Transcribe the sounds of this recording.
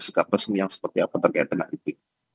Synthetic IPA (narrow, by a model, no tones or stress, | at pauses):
səkap̪̚rəsəmjaŋsə̥pərt̪iakant̪ərkaj̰t̪̚ɡəna̰ʔit̪i